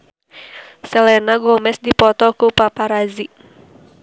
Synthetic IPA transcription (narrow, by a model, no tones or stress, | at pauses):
sɛlɛnaɡɔmɛsdipɔt̪ɔkupapaɾazi